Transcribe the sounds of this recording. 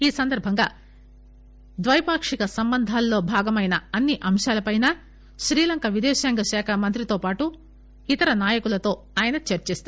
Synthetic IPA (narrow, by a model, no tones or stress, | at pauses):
iːsɐnd̪ɐɾbʱɐŋɡa̰ː | d̪ʋɐjpaːkʂikɐsɐmbɐnd̪ʱaːlːo̞ːbʱaːɡɐmɐjnɐɐnːiʔɐmʃaːlɐpɐjna | ʃɾiːlɐŋkɐʋid̪ɛːʃaːŋɡɐʃaːkʰɐmɐnt̪ɾit̪o̞ːpaːʈu | it̪ɐɾɐnaːjɐkulɐt̪o̞ː | aːjɐnɐt͡ʃɐɾt͡ʃiːst̪a